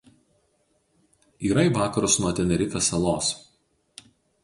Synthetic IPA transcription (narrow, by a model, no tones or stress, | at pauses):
iːɾɐiˑʋɑːkɐɾʊsnuɔt̪ʲɛnʲɛɾʲɪkɐsɐlˠoːs